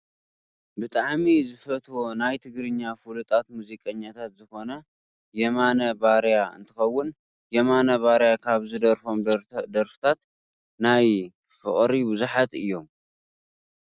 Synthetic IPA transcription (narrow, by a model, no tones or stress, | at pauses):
bɨt̪ʼaʕmizɨfɐt̪ʰwo̞najt̪ʰɨɡɾɨɲːafulut̪ʼat̪muzikʼɐɲːat̪ʰat̪zɨxo̞nɐ | jɛmanɐbaɾjaɨ̰nt̪ʰɨxɐwːʊn | jɛmanɐβaɾjakʰaβzɨd̪ɐɾfo̞md̪ɐɾfɨ̥t̪ʰat̪ | naj | fɨ̰χʼɾibɨzuħat̪ɨjːo̞m